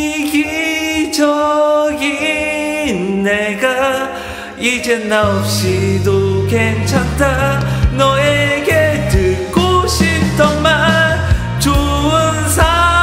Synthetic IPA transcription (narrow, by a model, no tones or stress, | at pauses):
ɡid͡ʑʌɡi | nːeɡa | id͡ʑe̞naop̚ɕ͈idoke̞ŋt͡ɕʰantʰanʌeɡenɯk͈oɕʰip̚t͈ʌman | t͡ɕo | ɯnsʰa